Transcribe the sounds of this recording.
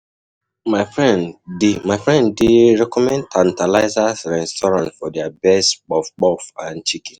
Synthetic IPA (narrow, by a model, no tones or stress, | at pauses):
maɪfɹɛndɪmaɪfɹɛ̃ndɪɾɛkɔmɛ̃ntʰan̩talaɪzasɾɛstɔɾãntfɔdabɛsk͡pɔfk͡pɔfãnt͡ʃiki̥